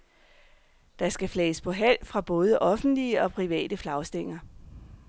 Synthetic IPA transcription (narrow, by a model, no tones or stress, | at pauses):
d̥ɑ̈sɡ̥æflɛːspʰɒ̽ɦæl̰fʁɑ̈b̥ɔ̽ːð̞ˠəʔɒ̽fn̩d̥liəɒ̽pʰʁiʋɛ̰ːd̥əflɑ̈ʊsd̥e̝ŋ̰ɐ